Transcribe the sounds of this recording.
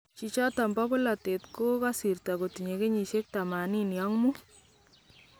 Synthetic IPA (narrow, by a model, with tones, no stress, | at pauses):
t͡ʃi˨t͡ʃɔ˦ta˨mbɔ˦bʊ˦la˨te˨tko˦ka˦si˨rta˨ko˨ti˨ɲe˨ke˦ɲi˨ʃe˦k̚ta˨ma˨ni˦njɔ˦ŋmu˦